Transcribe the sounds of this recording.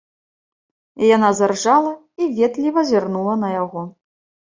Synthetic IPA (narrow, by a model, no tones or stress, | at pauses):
janazarʐalˠɐ | ivʲɛt̪lʲivɐzʲarnulˠɐnɐjaɣɔ